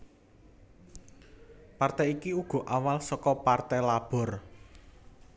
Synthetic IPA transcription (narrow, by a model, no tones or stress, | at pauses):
part̪ɛikiuɡ̥ɔ̤ʔawalsɔkɔpart̪ɛlab̥ɔ̤r